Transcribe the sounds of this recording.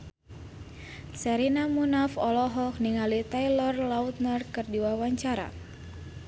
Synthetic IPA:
sɛɾinamunafɔlɔɦɔk̚niŋalit̪ajlɔrlaut̪̚narkɨrdiwawaɲt͡ʃaɾa̰

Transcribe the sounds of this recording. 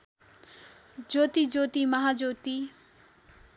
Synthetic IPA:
d͡ʒoːt̪id͡ʒoːt̪imɐɦaːd͡ʒoːt̪i

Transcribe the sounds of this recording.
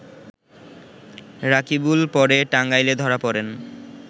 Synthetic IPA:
ɾakibulpɔɾeʈaŋɡajled̪ʱɔɾapɔɾen

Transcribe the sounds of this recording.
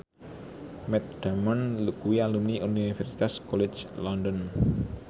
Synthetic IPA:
mɛt̪̚d̥amɔnlukuwialumniʔuninifɛɾsi̥t̪askɔlɪ̥d͡ʒlɔndɔn

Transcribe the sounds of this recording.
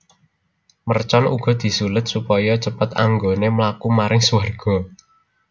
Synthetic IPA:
mərt͡ʃɔnuɡ̥ɔ̤d̪̥i̤sulʊt̪̚supɔjɔt͡ʃəpət̪a̰ŋɡonemlakumaɾɪŋsuwarɡ̥ɔ̤

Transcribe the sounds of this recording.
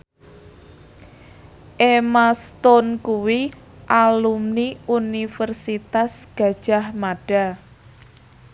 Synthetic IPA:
ʔemast̪ɔnkuwi | ʔalumniunifərsit̪asɡ̥a̤d̥ʒ̥a̤hmaɖ̥a̤

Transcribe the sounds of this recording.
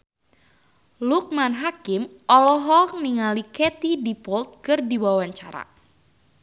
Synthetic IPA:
luk̚manɦakɪmʔɔlɔɦɔkniŋalikɛt̪idipɔlt̪̚kɨrdiwawaɲt͡ʃaɾa̰

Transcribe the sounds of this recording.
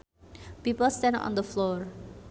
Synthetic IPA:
pipəlstɛ̃ndɔ̰̃nd̪əflɔɹ

